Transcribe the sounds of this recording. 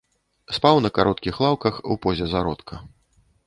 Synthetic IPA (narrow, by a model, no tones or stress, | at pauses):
spawnɐkaɾʔɔt̪kʲixlˠawkɐxṵpɔzʲɛzaɾɔt̪kʰɐ